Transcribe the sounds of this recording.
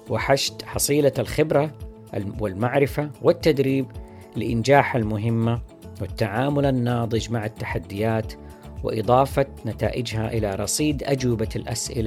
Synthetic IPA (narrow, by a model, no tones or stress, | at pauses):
wɪħaʃt̪ħɑsˤiːlalxɪbɾa̰ | wɪlmaʕɾɪfawɪt̪ːad̪ɾiːb | lɪʔɪnd͡ʒaːħalmʊɦɪmːa | wɪt̪ːaʕaːmʊlanːɑːd̪ˤɨd͡ʒmaʕat̪ːaħad̪ːɪjaːt̪ | wɪ̰ʔɨ̰d̪ˤɑːfanat̪a̰ːʔɪd͡ʒhaʔɪlaɾˤɑsˤiːd̪ʔad͡ʒwɪbalʔa̰sʔɪ̰la